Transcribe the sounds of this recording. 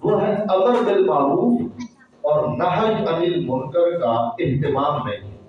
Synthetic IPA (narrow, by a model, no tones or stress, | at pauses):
mʊɦɐbəɾd̪ɪlmaːlum | ɔːɾnɐɦə̃d͡ʒɐnilmʊŋkəɾkaɪ̃nt̪ɪmaːmːẽ